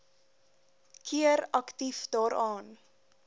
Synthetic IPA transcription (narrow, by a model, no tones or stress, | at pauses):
kʰiəɾɐktifdɑːɾɑːn